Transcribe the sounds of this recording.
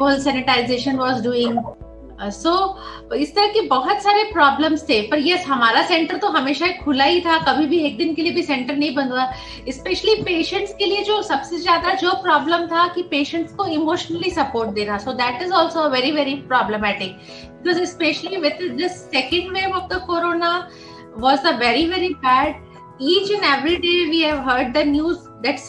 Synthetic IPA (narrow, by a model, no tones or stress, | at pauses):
oːlsænɪʈaɪzeːʃə̃nʋɔːzɖuːɪ̃ŋ | soː | ɪst̪ɐɾɐɦkebɐɦʊt̪saːɾepɾɔːblə̃mst̪ʰeːpɐɾjeɦɐmaːɾasɛ̃ɳʈəɾt̪oɦɐmeːʃaekʰʊlaɦit̪ʰakɐbʱibʱieːk̚d̪ɪnkeliebʱisɛ̃ɳʈəɾnɐɦĩbɐ̃nd̪wa | ɪspɛʃəlipeːʃə̃ɳʈskelied͡ʒoːsɐbsezjaːd̪ad͡ʒoːpɾɔːbləmt̪ʰakipeːʃə̃ɳʈskoɪmoːʃənəlisɐpoːɾʈ̚d̪eːɾasoːd̪æʈɪzɔːlsoəʋɛɾiʋɛɾipɾɔːbləmæʈɪk̚ | bɪkɔzɪspɛʃəliʋɪd̪d̪ɪsːɛkə̃ɳɖʋẽːmɔʋd̪əkoɾoːna | ʋɔːzəʋɛɾiʋɛɾibæːɖ̚ | iːt͡ʃɪ̃nɛʋɾiɖeːʋiːɦɛʋɦəɾɖ̚d̪ənjuːz | d̪ɛʈs